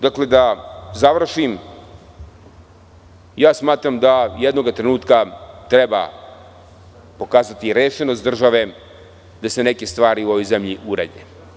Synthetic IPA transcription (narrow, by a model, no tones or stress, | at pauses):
d̪akle̞d̪azaʋr̩ʃim | jaːsmaːt̪ɾamd̪ajed̪no̞ɡat̪ɾenuːt̪kat̪ɾeba̰ | po̞kaːzat̪iɾeːʃenost̪d̪r̩ʒaʋe | d̪ase̞neke̞st̪ʋaːɾiuo̞ʋo̞jzemʎiʔuɾa̰de